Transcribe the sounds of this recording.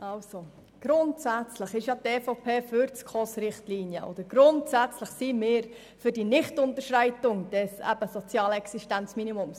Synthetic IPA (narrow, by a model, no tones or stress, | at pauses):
ʔɑlso | ɡ̥ɾʊntsæt͡sləχɪʃjɑteːfopʰeːfyɾt͡skʰosɾɪχtliːnjə̰ʔo̰d̥̪əɾɡ̥ɾʊntsæt͡sləχsiːmɪːɾ | fʏɾd̥inɪχtʊntəɾʃɾæɪtʊŋd̥ɛsæ̰b̥əsot͡sjɑːlɛksiʃtænt͡sminimʊms